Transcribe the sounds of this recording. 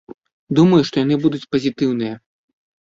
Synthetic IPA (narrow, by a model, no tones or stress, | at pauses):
d̪umɐjuʂt̪ɔjan̪ɨbud̪ut͡sʲpɐzʲit̪ɨwnɨjɐ